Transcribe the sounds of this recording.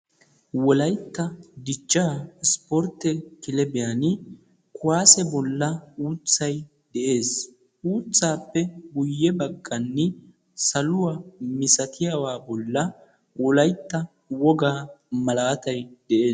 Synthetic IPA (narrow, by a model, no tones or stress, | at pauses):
wɔlɐjt̪ːɐd̪ɪt͡ʃːaspɔɾt̪ːɛkɪlɛbɪjanɪ | kʊwaːsɛbɔlːɐuːt͡sːɐj | d̪ɛʔe̞ːs | ʔuːt͡sːaːpːɛbʊjːɛbɐɡːɐnːɛ | sɐlʊwamɪsɐt̪ʰɪjawaːbɔlːɐ | wɔlɐjt̪ːɐ | wɔɡaːmɐlaːt̪ɐjd̪̥ɛʔe̞ː